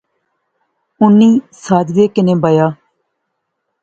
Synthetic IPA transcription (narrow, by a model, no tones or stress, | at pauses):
ʊnːiːsaːd̪ʋeːkɪnẽːbajaː